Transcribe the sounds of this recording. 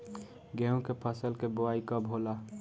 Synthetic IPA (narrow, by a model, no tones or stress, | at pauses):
ɡɛ̃ũkepʰəsəlkeboaːikəbʱɦoːla